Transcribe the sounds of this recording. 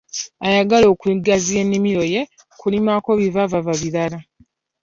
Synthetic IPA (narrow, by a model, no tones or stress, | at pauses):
ajaɡalo̞ːkiɡazijenːimiɾo̞je̞ | kulimako̞βivavavaβiɾala